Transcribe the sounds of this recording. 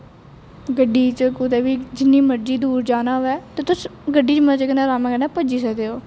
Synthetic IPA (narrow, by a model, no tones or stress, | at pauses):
ɡəɖːiːt͡ʃəkʊt̪eːʋiːd͡ʒɪnːiːməɾd͡ʒiːd̪uːɾd͡ʒaːnaːɦoʋɛːt̪eːt̪ʊsɡəɖiːt͡ʃəməd͡ʒekənãːɾaːmɛ̃ːkəɾnɛ̃ːpəd͡ʒiːsɛd̪eːoː